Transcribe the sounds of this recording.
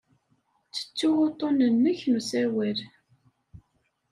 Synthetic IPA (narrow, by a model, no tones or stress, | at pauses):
t͡sːə̥t͡sːʊwot̪ˤːonənːəçnusæwæl